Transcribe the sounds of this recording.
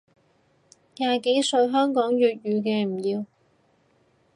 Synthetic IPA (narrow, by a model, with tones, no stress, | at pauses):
jaː˨˧ke˨˥jsɵ˧ɥɦœː˥ŋkɔː˨˥ŋjyː˨t̚jyː˨˧k̬ɛː˧m̩˨˩jiː˧w